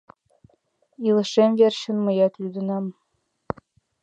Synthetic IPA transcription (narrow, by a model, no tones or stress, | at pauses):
ilˠɤ̆ʃemverɕɘ̆nmɤ̆jɑt̪lyd̪ɤ̆nɑm